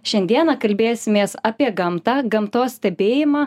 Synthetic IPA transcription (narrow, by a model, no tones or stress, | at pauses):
ʃʲɛnʲd̪ʲiɛnɑːkɐlʲbʲeːsʲɪmʲeːsɐpʲiɛɡɐmt̪ɑɡɐmt̪oːsʲsʲt̪ʲɛbʲeːjɪmɑː